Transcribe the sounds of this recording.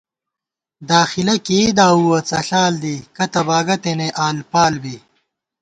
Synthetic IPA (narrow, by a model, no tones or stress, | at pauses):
d̪aːxilɐkiːd̪aːuwɐt͡sɐɬaːld̪ikɐt̪ɐbaːɡɐt̪eneʔaːlpaːlbiː